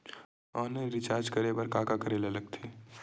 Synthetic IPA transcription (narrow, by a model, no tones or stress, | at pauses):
ɔːneɾɪt͡ʃaːɾd͡ʒkɐɾebɐɾkaːkakɐɾelelɐɡ̚t̪ʰeː